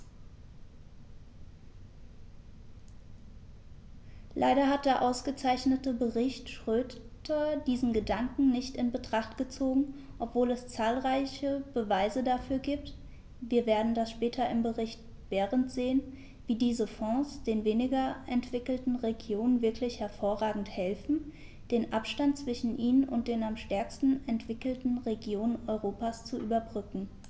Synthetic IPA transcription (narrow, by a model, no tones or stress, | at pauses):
lʔa̰ɪɾɐɦat̚d̥eːɐʔaʊsɡ̥ət͡saɪçnətəbəʁɪçtʃʁ̥øːtʰɐdiːzn̩ɡədaŋkŋ̩nɪçtɪnbətʁ̥aχtɡ̥ət͡soːɡŋ̩ | ʔɔpv̥oːlɛst͡saːlʁaɪçəbəvaɪzədafyːɐɡiːp̚t | viːɐveːɐdn̩dasʃpɛːtʰɐɪmbəʁɪçt | b̥ɛːʁəntz̥eːən | viːdiːzəfɔ̃sd̥eːnveːnɪɡɐʔɛntv̥ɪkl̩tn̩ʁeɡjoːnənvɪɐklɪçhɛɐfoːɐʁaːɡŋ̩thɛlfn̩ | d̥eːnʔapʃtant̚t͡sv̥ɪʃn̩ʔiːnənʔʊ̰nt̚d̥eːnamʃtɛɐkstn̩ɛntv̥ɪkl̩tn̩ʁeɡjoːnənʔɔʏʁoːpast͡suʔyːbɐbʁʏkŋ̩